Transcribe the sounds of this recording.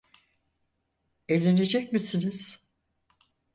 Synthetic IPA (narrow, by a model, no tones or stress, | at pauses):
elʲe̞ned͡ʒɛc̚misiniz̥